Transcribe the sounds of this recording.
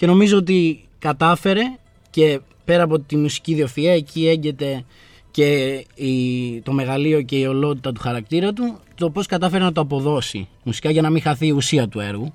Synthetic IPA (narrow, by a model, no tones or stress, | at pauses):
ce̞no̞mizo̞ot̪̬i | kɐt̪ɐfe̞ɾe̞ | ce̞ | pe̞ɾɐːpo̞t̪imusi̥ciðio̞fiɐecie̞ɲɟe̞t̪e̞ | ce̞it̪o̞me̞ɣɐlio̞ce̞io̞lo̞t̪̬it̪ɐt̪̬u̥xɐɾɐk̚t̪iɾɐt̪ut̪o̞po̞skɐt̪ɐfe̞ɾenɐt̪̬oɐpo̞ðo̞sḭ | musi̥kɐʝɐnɐmiŋxɐθiːusiɐt̪ue̞ɾɣu